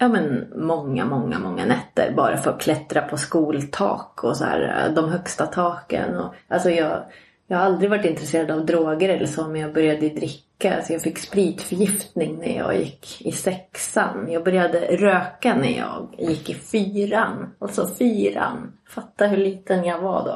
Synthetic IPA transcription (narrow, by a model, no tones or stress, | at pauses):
jɑːmɛnmɔŋːa̰mɔŋːa̰mɔŋːa̰nɛt̪ːə̰ɾbɑ̰ːɾa̰fœɾɔkʰlɛt̪ɾapʰɔskuːlt̪ʰɑ̰ːkʰɔsahæ̰ːɾ̰d̪ɔmɦœkst̪at̪ʰɑːkə̰nɔʔalsɔjɑːɡ | jɑːhaald̪ɾɪɡvaʈːɪnt̪ɾɛseːɾad̪avd̪ɾoːɡəɾɛlːəʂoːmɛnjɑːɡbœɾjad̪əd̪ɾɪkːaa̰lsɔjɑːfɪkːspɾiːt̪fœɾjɪft̪nɪŋnæ̰ɾjɑ̰ːjɪ̰kːɪsɛksanjɑːɡbœɾjad̪əɾøːkanæ̰ɾjɑːɡjɪkːɪfyːɾanalt̪sɔfyːɾa̰nfat̪ːaɦɵɭiːt̪ənjaɡvad̪ɔ̰